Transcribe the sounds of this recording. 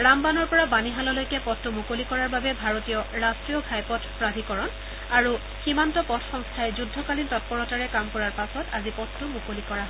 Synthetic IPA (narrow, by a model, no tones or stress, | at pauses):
ɹambanɔɹpɔɹabaniɦalɔlojkɛpɔtːumukolikɔɹaɹbabɛbʱaɹotijɔɹastɹijɔɡʱajpɔtʰpɹabʱikɔɹɔn | aɹu | ximantɔpɔtʰxɔŋstʰajɛzudʱːɔkalintɔt̚pɔɹɔtaɹɛkamkɔɹaɹpasɔtazipɔtːʊmukolikɔɹaɦɔ